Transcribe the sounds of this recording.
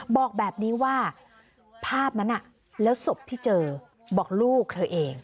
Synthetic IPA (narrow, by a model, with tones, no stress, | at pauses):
bɔː˨˩k̚bɛː˨˩p̚niː˦˥waː˥˩ | pʰaː˥˩p̚na˦˥nːʔa˨˩ | lɛː˦˥wso˨˩p̚t̪ʰiː˥˩t͡ɕɤː˧ | bɔː˨˩k̚luː˥˩k̚t̪ʰɤː˧ʔeː˧ŋ